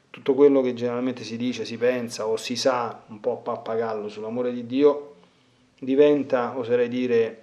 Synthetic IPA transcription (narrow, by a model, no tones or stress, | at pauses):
t̪ut̪ːokwelːok̟ed͡ʒːeneɾalment̪esid̪iːt͡ʃesipɛnsaosːisaumpɔpːaapːaɡalːosulːamoːɾed̪id̪ːiːo | d̪ivɛnt̪aosoɾɛjd̪iːɾe